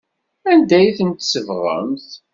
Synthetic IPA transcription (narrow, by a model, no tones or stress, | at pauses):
ænd̪æjθənt̪səvʁˤə̰mθ